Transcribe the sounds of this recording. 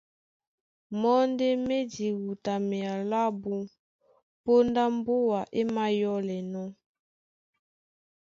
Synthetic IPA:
mɔ˦nde˦me˦di˨wu˨ta˨mɛ˨a˨la˦bu˦ | po˦nda˦m˦bo˦wa˨ʔe˦ma˦jɔ˦lɛ˨nɔ˦

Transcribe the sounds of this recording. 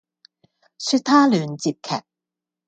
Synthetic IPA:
syː˧t̚t̪ʰaː˥lyː˨nt͡siː˧p̚kʰɛ̰ː˨˩k̚

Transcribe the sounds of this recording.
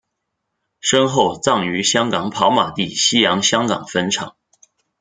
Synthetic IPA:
ʂɤ˥ŋxo˥˩ʊt͡sɑ˥˩ŋy˧˥ɕjɑ˥ŋkɑ˨˩ŋpʰɑ˧˥ʊma˨˩t̪i˥˩ɕi˥jɑ˧˥ŋɕjɑ˥ŋkɑ̰˨˩ŋfə˥nʈ͡ʂʰɑ̰˨˩˦ŋ

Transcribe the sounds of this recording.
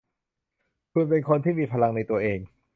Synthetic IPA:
kʰu˧npe˧nkʰo˧nt̪ʰiː˥˩miː˧pʰa˧la˧ŋna˧jt̪u˧ɐʔeː˧ŋ

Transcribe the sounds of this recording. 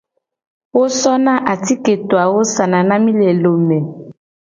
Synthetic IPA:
wo˦sɔ˦na˦ʔa˨ti˦ke˨to˨a˨wo˦sa˨na˨na˦mi˦lɛ˨lo˨mɛ˨

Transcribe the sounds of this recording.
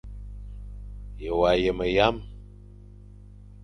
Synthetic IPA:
jə˨wa˨jə˨mə˨ja˦m

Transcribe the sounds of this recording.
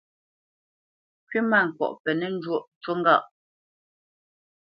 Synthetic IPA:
kɥi˦ma˦˨ŋ̩˨kwɔ̰˨ʔpɛ˨nɛ˨n˦d͡ʒwo˦˨ʔt͡ʃwo˦ŋ˦ɡa̰˦˨ʔ

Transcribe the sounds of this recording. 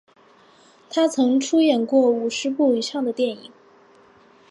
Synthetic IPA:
t̪ʰa˥t͡sʰɤ˧˥ŋʈ͡ʂʰu˥jɛ˥˩nkwɔ˥˩u˨˩ʂɻ̩˧˥pu˥˩i˨˩ʂɑ˥˩ŋd̪ə˩t̪jɛ˥˩ni˨˩˦ŋ

